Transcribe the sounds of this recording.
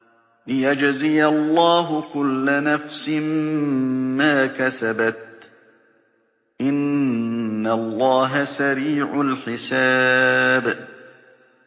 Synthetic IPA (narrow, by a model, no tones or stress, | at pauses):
lɪjad͡ʒzɪjalˤːɑːɦʊkʊlːanafsɪm | maːkasabat̪̚ | ʔɪnː | alˤːɑːɦasaɾiːʕʊlħɪsaːb